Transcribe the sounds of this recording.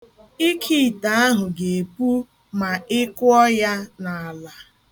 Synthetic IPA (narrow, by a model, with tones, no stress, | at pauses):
i˦kʰi˦˨ta˨a˦ɦʊ˨ɡe˨pu˦ | ma˨ɪ˦kʊ˦ɔ˦ja˦na˨a˨la˨